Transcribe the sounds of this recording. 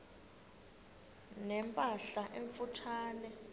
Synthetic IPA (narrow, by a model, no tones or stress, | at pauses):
nɛmpʼaɬaʔeɱfutʰaːnɛ